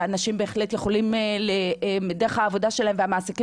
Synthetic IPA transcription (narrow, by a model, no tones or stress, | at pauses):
anaʃimbe̞ːχlet̪jeχo̞limlemd̪eʁehaːvo̞daʃelaemvehamaːsiki